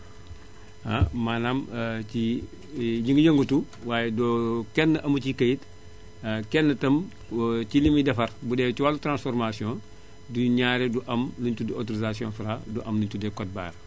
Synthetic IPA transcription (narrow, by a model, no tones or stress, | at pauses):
amanami | ɲiŋɡəjəŋɡutu | waːjedɔkɛnːəʔɐmucikɐjit | kɛnːətɐm | cilimidɐfɐɾbudɛːciwalutɾãnsfɔɾmasiõ | duɲaːɾeduʔɐmluntudiotoɾizasiõ̰ːnfɾaduʔɐmluntudɛkɔt̚ba̰ːɾ